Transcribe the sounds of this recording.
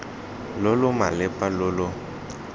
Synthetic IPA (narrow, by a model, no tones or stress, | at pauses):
lʊlʊma̰lɪpʼalʊlʊ